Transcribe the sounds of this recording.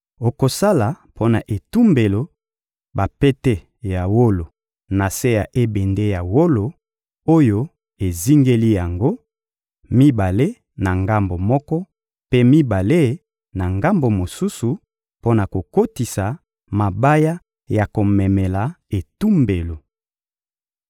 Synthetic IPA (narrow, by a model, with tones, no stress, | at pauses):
o˨ko˨sa˦la˨ | pʰo˦na˨ʔe˨tu˦mbe˨lo˨ | ba˨pe˦te˦ | ja˨wo˦lo˨ | na˨se˦ja˨ʔe˦be˨nde˦ja˨wo˦lo˨ | o˦jo˦ | e˨zi˦ŋɡe˦li˦ja˨ŋɡo˦ | mi˦ba˨le˦ | na˨ŋɡa˦mbo˨mɔ˦kɔ˦ | pe˦mi˦ba˨le˦ | na˨ŋɡa˦mbo˨mo˨su˦su˨ | po˦na˨ko˨ko˦ti˨sa˨ | ma˨ba˦ja˦ | ja˨ko˨mɛ˨mɛ˨la˨ | e˨tu˦mbe˨lo˨